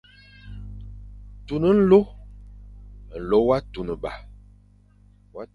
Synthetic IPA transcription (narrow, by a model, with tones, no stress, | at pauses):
tu˨nə˨n̩˦lo˦ | n̩˨lo˦wa˦tu˨nə˨ba̰˨ | wa˦